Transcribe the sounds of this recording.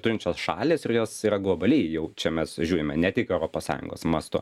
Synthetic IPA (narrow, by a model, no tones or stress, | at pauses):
tʊːɾʲɪnt̪t͡ʃʲoːsʃɑ̰ːlʲeːsɪrjoːsiːɾɐɡlˠobɐlʲɛɪjɛʊt͡ʃʲɛmʲɛsʒʲuːɾʲɪmʲɛnʲɛt̪ʲɪkɛʊɾoːpoːssɑ̰ːjʊ̰ŋɡo̰ːsmɐst̪ʊ̰